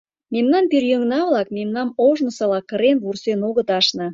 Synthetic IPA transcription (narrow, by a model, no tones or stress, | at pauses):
memnɑnpirjøŋnɑβlɑk̚memnɑmoʒnə̆sɑlɑkəɾenβursenoɣə̆t̪ɑʃnɤ̆